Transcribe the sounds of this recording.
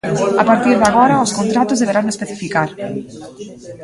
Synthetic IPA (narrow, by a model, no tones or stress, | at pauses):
apaɾt̪iɾðeaɣoɾaoskont̪ɾat̪ozðeβeɾaŋespeθifikaɾ